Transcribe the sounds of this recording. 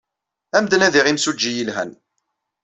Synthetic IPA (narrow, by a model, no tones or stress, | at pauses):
æmd̪næðiʁimsud͡ʒːijilɦæ̰n